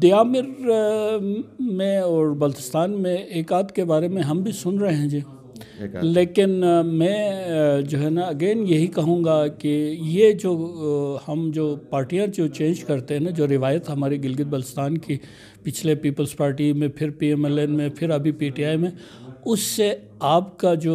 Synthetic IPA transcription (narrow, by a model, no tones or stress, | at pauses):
d̪ejaːmɪɾ | mẽɔːɾbɐlt̪ɪ̥st̪aːnmẽeːkaːd̪kebaːɾemẽɦɐmbʱisʊnɾɐɦeɦẽd͡ʒeː | leːkɪnmɛ̃ːd͡ʒoːɦɛnaɐɡeːnjɐɦikɐɦũːŋɡakejed͡ʒoːhɐmd͡ʒoːpaːɾʈijãd͡ʒoːt͡ʃẽːnd͡ʒkɐɾt̪eɦɛnad͡ʒoːɾɪʋaːjət̪ɦɐmaːɾeɡɪlɡɪd̪̚bɐlt̪ɪst̪aːnki | pɪt͡ʃʰlepiːpəlzpaːɾʈimẽpʰɪɾpiːɛːmɛlɛːnmẽpʰɪɾɐbʱipiːʈiaːimẽ | ʊsːe | aːpkad͡ʒoː